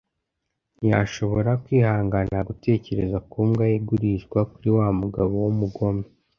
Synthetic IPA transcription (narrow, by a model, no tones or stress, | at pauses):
ja̰ʃo̞βo̞ɾakwiːhaːŋɡanaɡute̞ːce̞ɾe̞zakuːmɡajeɡuɾiʃɡwakuɾiwamuɡaβo̞wumuɡo̞me